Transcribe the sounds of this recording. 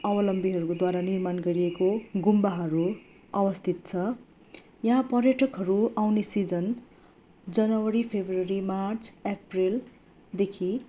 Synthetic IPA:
ʌbʌlʌmbiɦʌɾukod̪waɾanirmanɡʌɾiekoɡumbaɦʌɾu | ʌbʌst̪ʰit̪̚t͡sʰʌ | jʌɦãpʌrjʌʈʰʌkɦʌɾuawnesid͡zʌn | d͡zʌnʌwʌɾipʰebrʌɾimart͡sʰepril | d̪ekʰi

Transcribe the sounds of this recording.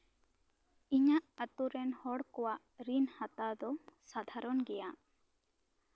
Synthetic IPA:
iɲaʔat̪uɾɛnhɔɽkɔwaʔɾinhat̪ad̪ɔsad̪ʱaɾɔnɡɛja

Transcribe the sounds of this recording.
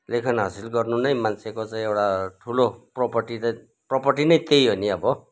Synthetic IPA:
lekʰʌnɦasilɡʌrnunʌj̃mant͡sʰekot͡saĩewʈaʈʰulopropʌrʈitʌ̃ | propʌrʈinʌj̃t̪ejɦoniʌbʌ

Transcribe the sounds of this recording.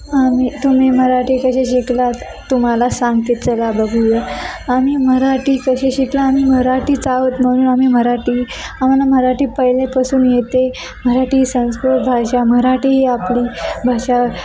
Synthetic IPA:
amiːt̪um̤iməɾaʈiːkəɕeɕiklat̪ | t̪ːum̤alasãŋɡt̪et̪̚t͡səlabəɡʱujəamiːməɾaʈiːkəɕeɕiklaːmiːməɾaʈiːt͡saʋət̪m̤əɽ̃uːnam̤iməɾaʈiː | am̤alam̤əɾaʈiːpəɦilẽpəsuːnjet̪e | m̤əɾaʈiːsə̃w̃skɾut̪bʱaɕaməɾaʈiːɦiapliːbʱaɕa

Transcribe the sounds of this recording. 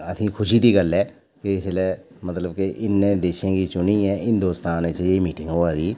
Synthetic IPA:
əsĩːkʰʊʃiːt̪iːɡəlːɛː | keɪslɛː | mət̪ləbkeʔɪnːẽːd̪eːʃẽːkiːt͡ʃʊniːɛ̃ːɦɪnd̪oːst̪aːnet͡ʃeːmiːʈɪ̃ŋɡɦoːaːd̪iː

